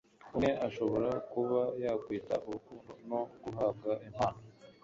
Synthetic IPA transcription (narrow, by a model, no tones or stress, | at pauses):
ume̞ʔaʃo̞βo̞ɾakuβajakwiːta̰ʔuɾukuːndono̞ɡ̥uɦaːb̚ɡaʔimhaːno